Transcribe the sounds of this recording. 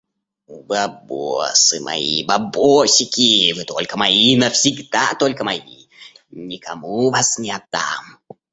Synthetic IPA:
ubɨabosɨmʔa̰ḭbaboɕʲikʲivɨt̪olʲkɐmajinɐfsʲiɡd̪̥at̪olʲkɐmajḭ | nʲikamuvasnʲɪat̪ːa̰m

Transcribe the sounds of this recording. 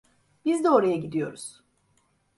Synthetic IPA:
b̥izd̪ɛoɾajaɟid̪ijo̞̰ɾuz̥

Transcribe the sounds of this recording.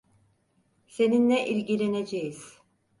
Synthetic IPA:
se̞ninːɛʔilʲɟilʲe̞ned͡ʒejiz̥

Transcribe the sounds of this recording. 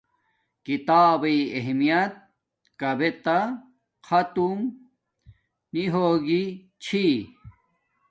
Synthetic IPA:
kit̪aːbɐeɦmijɐt̪̚ | kɐbet̪ɐ | kʰɐt̪um | niɦoːɡi | t͡ɕʰi

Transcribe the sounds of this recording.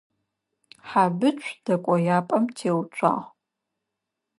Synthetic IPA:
ħabɨt͡ʃʷʼʰd̥ɐkʷʼɔjaːpʼɐmtʰeːwt͡ʃʷʼʰa̰ːʁ

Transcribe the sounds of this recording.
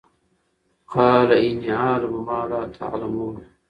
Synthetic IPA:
qʰɑːlaɪnːiʕaːlbɪmaːlaːt̪ʰa̰ʕlamuːn

